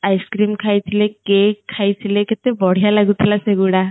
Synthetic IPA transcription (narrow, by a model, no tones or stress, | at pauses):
ajskɾimkʰajt̪ʰilekːekʰːajt̪ʰileket̪ebɔɽ̤ijalaɡut̪ʰilaseɡuɽa